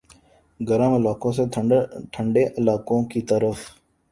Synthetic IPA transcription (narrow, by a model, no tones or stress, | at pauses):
ɡəɾəməlaːkõseʈʰəɳɖeʔɪlaːkõkiːt̪əɾəf